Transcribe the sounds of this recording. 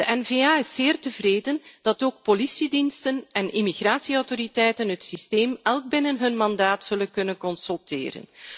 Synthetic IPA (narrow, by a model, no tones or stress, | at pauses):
d̥əʔɛnveːaːɪsːɪːrtəvreːdənd̥ɑtoːk̚polisidinstənɛnʔimiɣraːsiɔwtoɾitɛjtənɦətsisteːmɛlˠɡ̚bɪnənɦɵnmɑndaːtsɵlənkɵnənkɔnsɵlˠtɪ̰ːɾə̰n